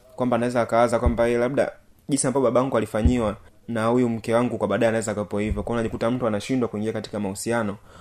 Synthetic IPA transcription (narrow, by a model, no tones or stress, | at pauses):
kwambaːnawɛzaːkawazakwambaɛlaɓɗa̰ | ʄinsiambaɔɓaɓawaŋɡualifaɲiwa | nahujum̩kɛwaŋɡukwaɓaːɗaɛanawɛzaːkawɛpɔhivjɔkwaiunaʄikutam̩tuanaʃindwakuiŋɡiakati̥kamausianɔ